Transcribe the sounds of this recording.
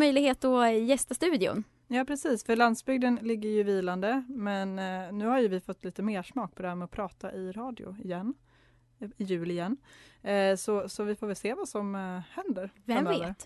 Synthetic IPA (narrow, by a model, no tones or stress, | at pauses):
œjlɪɡheːt̪ɔjɛst̪ast̪ʉ̟ːd̪ɪʊ̰n | jɑːpʰɾɛsiːsfœɭand̪sbʏɡ̚d̪ənlɪɡːəɾjɵviːland̪əmɛnːʉ̟ːhaɾjɵvɪfɔt̪ːliːt̪əmeːʂmɑːk̚pʰɔd̪ɛhæɾmɛɔpʰɾɑːt̪aʔɪɾɑːd̪ɪʊ̰ɪjɛnː | ɪjʉ̟ːlɪɪjɛnː | sɔsɔvɪfoːɾvɪlseːvasɔmhɛnd̪əɾvamœːvəɾt̪